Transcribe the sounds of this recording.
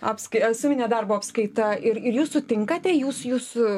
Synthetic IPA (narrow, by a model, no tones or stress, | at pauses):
ɑːpskɐɪɐsʲɪmʲɪnʲed̪ɐrboːɐpskɐɪt̪ɐɪɾɪɾjuːsʊt̪ʲɪŋkɐt̪ʲɛjuːsjuːs